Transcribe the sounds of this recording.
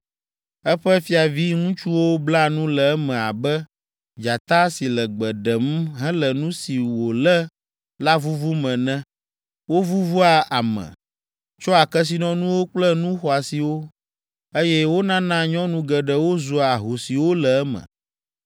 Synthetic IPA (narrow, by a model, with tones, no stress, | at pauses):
ɛ˦ɸɛ˦fi˦a˨vi˦ŋũ˦t͡ʃu˦wo˦bla˦nũ˦lɛ˨ɛ˦mɛ̃˨a˨bɛ˦ | d͡ʒa˨t̪a˦si˨lɛ˨ɡ͡bɛ˨ɖɛ˨m˦ɦɛ̃˦lɛ˨nũ˦si˨wo˨lɛ˦ | la˦vu˦vu˦mɛ̃˨nɛ̃˦ | wo˦vu˦vu˦a˨ʔa˨mɛ̰̃˨ | t͡ʃɔ˦a˨kɛ˦s̬i˨nɔ̃˦nũ˦wo˦k͡plɛ˦nũ˦xɔ˨a˨si˨wo˦ | e˦jɛ˦wo˦nã˦nã˦ɲɔ̃˦nũ˦ɡɛ˨ɖɛ˨wo˦zu˨a˨ɦo˨si˨wo˦lɛ˨ɛ˦mɛ̰̃˨